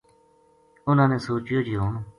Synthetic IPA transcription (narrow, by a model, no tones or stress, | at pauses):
ʊnãːnẽːsoːt͡ʃjoːd͡ʒiːɦoːnː